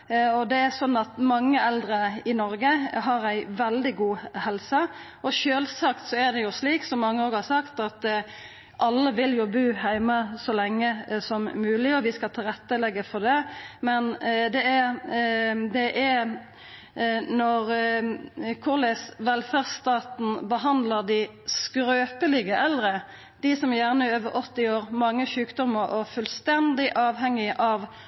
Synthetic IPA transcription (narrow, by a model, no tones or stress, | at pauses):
ɔd̪ɛæɾsɔnːɑt̪mɑŋːəɛld̪ɾəɪnɔɾɡəɦɑɾæɪʋɛld̪ɪɡuːhɛlsə | ɔʃøːlsɑkt̪sɔæʁd̪ɛjʊsliːksɔmːɑŋːəoːɡhɑsɑkt̪ɑt̪ | ʔɑlːəʋɪljʊbʉːhæɪməsɔlɛŋːəsɔmmʉːlɪɔʋɪskɑt̪ʰɪɾɛt̪ːəlɛɡːəfɔd̪ɛmɛnd̪ɛæ | d̪ɛʔæ | nɔʁ | kʰʊʁlɛsʋɛlfæʁst̪ɑːt̪n̩bəɦɑnd̪ləʁd̪ɪ | skɾøːpəlɪɡəʔɛlʁə | d̪̥ɪsɔmjæʁnəɪøːʋəɾʔɔt̪ːɪoːʁmɑŋːəʃʉːkd̪ɔmːəɾɔfʉlst̪ɛnd̪ɪʔɑːʋɦɛŋːɪʔɑʋ